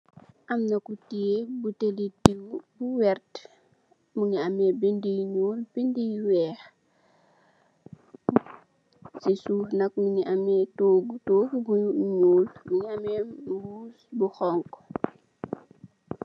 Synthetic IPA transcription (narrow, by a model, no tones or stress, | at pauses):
ʔɐmnɐkutiebutelitiwbuwɛrt | muŋiamɛbindijɲuːlbindijwɛːx | sisuːfnɐk̚miniʔamɛtoːɡutoːfiɡuɲuːlmuŋiamɛwuːsbuxɔŋkɔ